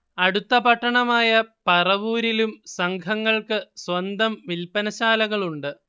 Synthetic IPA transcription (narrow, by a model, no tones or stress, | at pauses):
ɐɽut̪ːɐpɐʈːɐɳɐmaːjɐpɐrɐʋuːɾilumsɐŋɡʰʱɐŋːɐɭkɨswɐnd̪ɐmʋilpɐnɐɕaːlɐɣɐɭuɳɖɨ